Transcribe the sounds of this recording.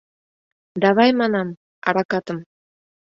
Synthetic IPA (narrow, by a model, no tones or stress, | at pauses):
d̪aβajmanɑm | a̰ɾakɑt̪ə̆m